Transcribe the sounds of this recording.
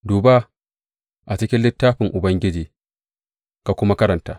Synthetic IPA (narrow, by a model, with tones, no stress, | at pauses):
duː˨baː˦ | ʔa˨t͡ʃɪ˦kʲɪ˦nlɪ˦tːaː˦ɸɪ˨ŋʔʊ˨bɐ˦ŋɡʲɪ˦d͡ʒiː˨ | ka˨kʷʊ˦ma˦kɐ˦ɾɐ˨ntaː˦